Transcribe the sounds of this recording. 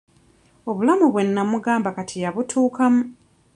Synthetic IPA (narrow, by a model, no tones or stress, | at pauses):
o̞βulamuβwe̞nːamuɡaːmbakatʰijaβutʰuːkamu